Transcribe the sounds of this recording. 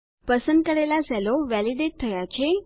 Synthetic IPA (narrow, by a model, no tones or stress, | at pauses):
pəsənd̪̚kəɾelasɛloʋɛliɖeʈ̚t̪ʰəjat͡ʃʰe